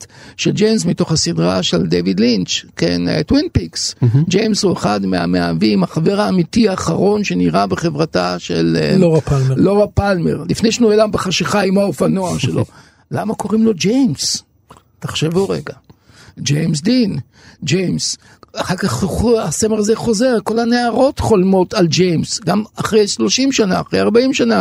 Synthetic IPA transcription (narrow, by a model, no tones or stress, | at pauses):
tʃe̞ld͡ʒejms̬mito̞χhasidʁa̰ʃeld̪evid̪lint͡ʃkḛnḛt̪winpiksd͡ʒejmshueχad̪mea̰mea̰viːmaχave̞ʁaːmitiaːχaʁo̞nʃe̞niʁabeχe̞vʁataʃḛlloapalːoʁapalme̞̰ʁlifne̞jʃnuelambeχaʃiχaimaofanoaʃe̞lo̞̰ | la̰mako̞ʁimlo̞d͡ʒejms | taχʃevuʁeɡa | d͡ʒejms̬d̪in | d͡ʒejms | aχaʁkaχasemeʁazeχo̞zeʁko̞lhaneaʁo̞tχo̞lmo̞tald͡ʒejmsɡamaχʁejʃlo̞ʃimʃanaːχʁejaʁbaimʃana